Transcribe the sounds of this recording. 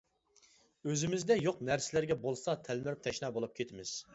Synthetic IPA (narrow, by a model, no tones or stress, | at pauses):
øzɪmɪzd̪ɛjoqnæɾsɪlæɾɡʲɛbolˠsɑt̪ʰælmɪɾyp̚t̪ʰɛʃnɑːbolˠup̚kʲʰet̪ʰɪmɪz̥